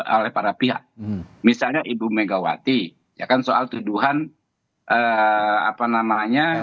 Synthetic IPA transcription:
olɛhpaɾapiɦa̰k̚misalɲaʔibumeɡawa̰t̪i | ja̰kansoʔalt̪uduɦan | ʔəa̰panamaɲa

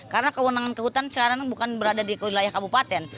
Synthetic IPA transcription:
kaɾənakəwənaŋankəɦut̪ansəkaɾaŋbukanbəɾadadikəwilajahkabupat̪ɛn

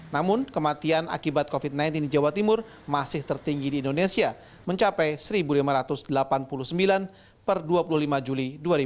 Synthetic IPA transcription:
namʊnkəmat̪iana̰kibat̪̚kofit̪̚najnt̪indid͡ʒawat̪imʊr | masɪht̪ərt̪iŋɡidiːndonesia | məɲt͡ʃapɛjsəɾibulimaɾat̪ʊsdəlapanpulʊhsəmbilan | pərduapulʊhlimad͡ʒuliduaɾi

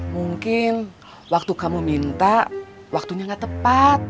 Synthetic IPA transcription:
muŋkɪn | wak̚t̪ukamumint̪aʔ | wak̚t̪unaŋat̪əpat̪̚

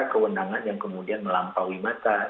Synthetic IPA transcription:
kəwənaŋanjaŋkəmudianməlampawimat̪a

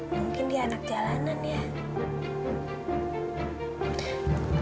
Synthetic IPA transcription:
muŋkɪndianak̚d͡ʒalananja

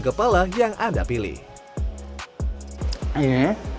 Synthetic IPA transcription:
kəpalajaŋʔadapilḭh

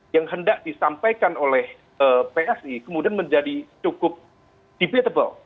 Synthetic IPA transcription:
jaŋɦəndaʔ̚disampajkanolɛh | əpeɛsikəmudianməɲd͡ʒadit͡ʃukʊp̚ | d̥ipit̪əbə̰l

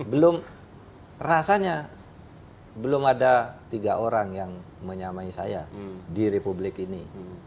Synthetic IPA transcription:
bəlʊm | rasaɲa | bəlʊmadat̪iɡaʔoɾaŋjaŋ | məɲamaisaja̰diɾepublɪkini

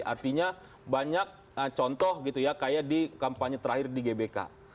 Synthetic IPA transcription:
ʔa̰rt̪iɲa | baɲak̚ | ət͡ʃɔnt̪ɔhɡit̪ujakajadikampaɲat̪əɾahɪrdiɡebeka̰

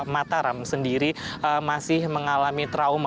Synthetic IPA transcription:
mat̪aɾamsəndiɾiəmasɪhməŋalamit̪ɾaum

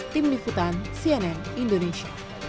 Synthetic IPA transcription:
t̪imliput̪ansiɛnɛnindoneʃia

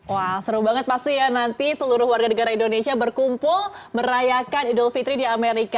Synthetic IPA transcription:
wasəɾubaŋət̪̚past̪ijanant̪isəluɾʊhwarɡanəɡaɾaindonesiabərkumpʊlməɾajakanidɔlfit̪ɾidiameɾika

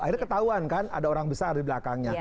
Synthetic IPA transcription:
airkət̪aɦuankana̰daoɾaŋbəsardiblakaŋɲa

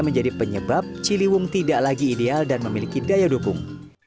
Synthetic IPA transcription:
məɲd͡ʒadipəɲəbap̚t͡ʃiliwʊŋt̪idaʔlaɡiːdealdanməmilikidajadokʊŋ

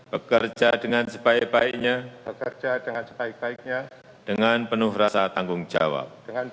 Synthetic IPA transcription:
b̥əkərd͡ʒadəŋansəpaiʔ̚baik̚ɲabəkərd͡ʒadəŋansə̥baik̚baik̚ɲa | d̥əŋanpənʊhrasat̪aŋɡʊŋd͡ʒa̰wa̰p̚d̥əŋan

